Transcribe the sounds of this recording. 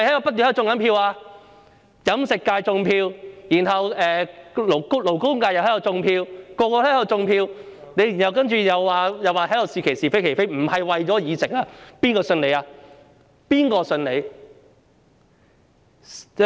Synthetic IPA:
ɐ˨jhɐ˨˥jɐ˨˧pɐ˥t̪̬̚ːyː˨hːʊ˧ŋɐ˨˥npʰiː˧waː˧ | jɐ˨˥msɪ˨kːaː˧jt͡sʊ˧ŋpʰiː˧wjiː˨˩nɦɐ˨wɛː˨lklo˨˩wkʊ˥ŋkaː˧jwhɐ˨˥jt͡sʊ˧ŋpʰiː˧wkɔː˧kɔː˧hɐ˨˥jɐ˨˩wt͡sʊ˧ŋpʰiː˧wne˨˧jnhɐ˨wkɐ˥nt͡ʃyː˨˧jɐ˨˧waː˨˧jɐ˨waː˨˩ɦɐ˨˥jdo˨˧wsiː˨˧kʰe˨˩jsiː˨˩fe˥jkʰe˨˩jfe˥jm̩˨˩hɐ˨jwɐ˨jt͡ʃɔː˨˥jiː˨˧t͡sɪ˨˩k̚aː˧piː˥nkɔː˧sɵ˧nle˨˧jaː˧ | piː˥nkɔː˧sɵ˧nle˨˧j

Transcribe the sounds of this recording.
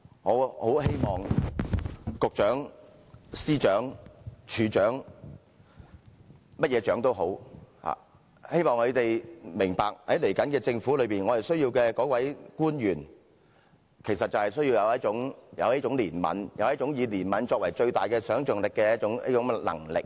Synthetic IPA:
ŋoː˨˥ho˨˥wɦe˥jmɔː˨ŋ | kʊ˨k̚t͡ʃœː˨˥ŋ | siː˥t͡ʃœː˨˥ŋt͡ʃʰyː˨˧t͡ʃœː˨˥ŋ | mɐ˥t̚jɛː˨˧t͡ʃœː˨˥ŋt̪o˥wɦo˨˥wha̰ː˨ | he˥jmɔː˨ŋɵ˨˧t̪e˨jmɪ˨˩ŋpaː˨k̚hɐ˨˥jle˨˩jkɐ˨˥nkɛː˧t͡sɪ˧ŋfuː˨˥lɵ˨˧ɥpiː˨nŋɔː˨˧hɐ˨jsɵ˥ɥjiː˧wkɛː˧kɔː˨˥kwɐ˨˥jkuː˥njyː˨˩n | kʰe˨˩sɐ˨t̚t͡sɐ˨whɐ˨jsɵ˥jiː˧wjɐ˨˧wjɐ˥t̚t͡ʃʊ˨˥ŋjɐ̰˨˧wjɐ˥t͡ʃʊ˨˥ŋliː˨˩nmɐ̰˨˧˥njɐ˨˧wjɐ˥t̚t͡ʃʊ˨˥ŋjiː˨˧liː˨˩nmɐ˨˧nt͡ʃɔː˧k̚wɐ˨˩jt͡ʃɵ˧ɥt̪aː˨jkɛː˧sœː˨˥ŋt͡ʃœː˨˩ŋlɪ˨kːɛː˧jɐ˥ʊ˨˧˥ŋjɐ̰˥t͡ʃʊ˨˥ŋlɐ̰˨˩ŋlɪ̰˨k̚

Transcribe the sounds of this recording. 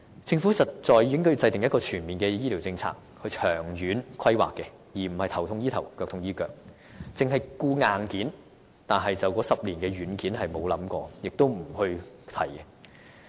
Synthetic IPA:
t͡sɪ˧ŋfuː˨˥sɐ˨t̚t͡sɔː˨˧jiː˧˥ŋkɔ˥jy˧t͡sɐ˧jt̪ɪ˨ŋjɐ˥kɔː˧t͡ʃʰyː˨˩nmiː˨nkɛː˧jiː˥li˨˩wt͡sɪ˧ŋt͡sʰa̰ː˧k̚ | hɵ˧ɥt͡ʃʰœː˨˩ŋjyː˨˥nkʰɐ˥jwa̰ː˨˩kːɛ˧ | jiː˨˩m̩˨˩hɐ˨jt̪ʰɐ˨˩wt̪ʰʊ˧ŋjiː˥t̪ʰɐ˨˩wkœː˧k̪̚ʰʊ˧ŋjiː˥kœː˨k̚ | t͡sɪ˨ŋɦɐ˨jkuː˧ŋaː˨nkiː˨˥n | t̪aː˨˩nɦɐ˨jt͡sɐ˨wkɔː˨˥sɐ˨p̚liː˨˩nkɛ˧ɥyː˨˥nkiː˨˥nɦɐ˨jmo˨˧wlɐ˨˥mkɔː˧jɪ˨k̚t̪o˥wm̩˨˩hɵ˧ɥt̪ʰɐ˨˩jkɛ˧

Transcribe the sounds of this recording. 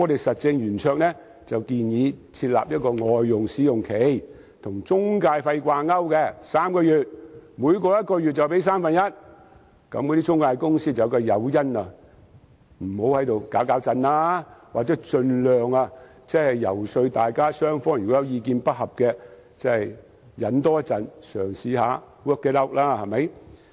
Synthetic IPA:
ŋɔ˨˧t̪e˨jsɐ˨t̚t͡sɪ˧ŋjyː˨˩nt͡ʃʰœː˧k̚nɛː˥ | t͡sɐ˨wkiː˨˧njiː˨˧t͡sʰiː˧t̚la̰ː˨p̚jɐ˥t̚kɔː˧ŋɔː˨jːʊ˨˩ŋsiː˨˥jʊ˨ŋkʰe˨˥j | t̪ʰʊ˨˩ŋt͡sʊ˥ŋkaː˧jfɐ˧jkʷaː˧ŋɐ˥wkɛː˧saː˥mkɔː˧jyː˨t̚muː˨˧jkɔː˧jɐ˥t̚kɔː˧jyː˨t̚t͡sɐ˨˩wpe˨˥jsaː˥mfɐ˨njɐ˥t̚ | kɐ̰˨˥mkɔː˨˧t̪iː˥t͡ʃʊ˥ŋkaː˧jkʊ˥ŋsiː˥t͡sɐ˨jɐ˨˧kɐː˧jɐ˨˧wjɐ˥nɐ˧ | m̩˨˩ho˨˥whɐ˨˥jt̪o˨wkaː˨˥wkaː˨˥wt͡sɐ˧nlaː˥waː˨k̚t͡sɛː˨˥t͡ʃɵ˧nlœː˨ŋɐ˧ | t͡sɛː˥hɐ˨jjɐ̰˨˩wsɵ˧ɥt̪aː˨jkaː˥sœː˥ŋfɔː˥ŋjy˨kɔ˨˥jɐ˨˧wjiː˧kiː˧npɐ˥t̚hɐ˨p̚kɛː˧ | t͡sɛ˥hɐ˨j | jɐ˨˥nt̪ɔː˥t͡sɐ˨˧nsœː˨˩ŋsiː˨˧haː˨˧˦ | wɔ˥kːɛː˧˥lɐ˥wk̚laː˥hɐ˨mɐ˨˧˥j

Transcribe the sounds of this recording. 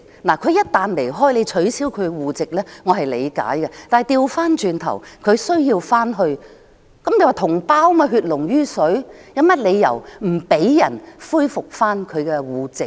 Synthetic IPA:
laː˨˩kʰɵ˨˧ɥjɐ˥t̚t̪aː˨nle˨˩jɦɔː˥jle˨˧jt͡ʃʰɵ˨˥siː˨˥wkʰɵ˨˧ɥwuː˨˧t͡sɪ˨k̚lɛː˥ŋɔ˨˧ɦɐ˨jle˨˧jka̰ː˨˥jkɛ˧t̪aː˨jt̪iː˧wfaː˥nt͡ʃyː˧nt̪ʰɐ̰˨˩wkʰɵ˨˧sɵ˥ɥjiː˧wfaː˥nɦɵ˧ɥ | kɐ˨˥mje˨˧waː˨˩t̪ʰʊ˨˩ŋpaː˥wmaː˧ɦyː˧t̚lʊ˨˩ŋjyː˥sɵ˨˥ɥjɐ˨˥mɐ˥t̚le˨˧jːɐ̰˨˩wm̩˨˩pe˨˥jːɐ˨˩nfuː˥jfʊ˨k̚faː˥nkʰɵ˨˧ɥkɛ˧wuː˨˧t͡sɪ˨k̚

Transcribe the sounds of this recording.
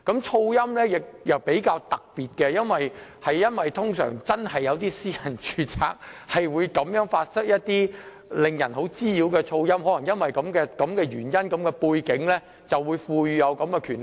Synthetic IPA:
kɐ˨˥mt͡ʃʰo˧wjɐ˥mlɛː˥jɪ˨k̚jɐ˨˩wpe˨˥jkaː˧wt̪ɐ˨k̚piː˨t̚kɛː˧jɐ˥nwɐ˨jhɐ˨jjɐ˥nwɐ˨jt̪ʰʊ˥ŋsœ̰ː˨˩ŋt͡sɐ˥nhɐ˨jːɐ˨˧wt̪iː˥siː˥jɐ˨˩nt͡ʃʰyː˨˧t͡sʰa̰ː˧k̚hɐ˨jwuː˨˧jkɐ˨˥mjœː˨˥ŋfaː˧t̚sɪ˥k̚jɐ˥t̚t̪iː˥ | lɪ˨ŋjɐ˨˩nɦo˨˥wt͡siː˥jiː˨˥wkɛː˧t͡sʰo˧wjɐ˥mɦɔː˨˥lɐ˨˩ŋjɐ˥nwɐ˨jkɐ˨˧˥mkɛː˧kɐ˨˧mkɛː˧ɥyː˨˩njɐ˥nkɐ˨˧˥mkɛː˧puː˧jkɪ˨˥ŋlɛ˥ | t͡sɐ˨wːuː˨˧jfuː˧jy˧jɐ˨˧wkɐ˨˥mkɛː˧kʰyː˨˩n

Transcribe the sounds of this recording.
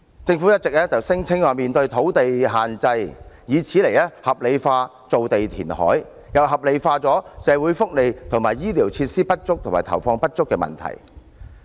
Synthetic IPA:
t͡sɪ˧ŋfuː˨˥jɐ˥t̚t͡sɪ˨k̚lɛː˥t͡sɐ˨wsɪ˥ŋt͡sʰɪ˥ŋwɔː˨˧miː˨nt̪ɵ˧ɥt̪ʰo˨˥wt̪e˨jɦaː˨nt͡sɐ˧jjiː˨˧t͡sʰiː˨˥le˨˩jɛː˥hɐ˨p̚le˨˧jfaː˧ | t͡so˨wt̪e˨jt̪ʰḭː˨˩nhɔ̰ː˨˥j | jɐ˨˩wɦɐ˨p̚le˨˧jfaː˧t͡sɔː˨˥sɛː˨˧wuː˨˥jfʊ˥k̚le˨jt̪ʰŋmaː˨jiː˥liː˨˩wt͡sʰiː˧t̚siː˥pɐ˥t̚t͡sʊ˥k̚t̪ʰmaː˨˩t̪ʰɐ˨˩wfɔː˧ŋpɐ˥t̚t͡sʊ˥kːɛː˧mɐ̰˨nt̪ʰɐ̰˨˩j

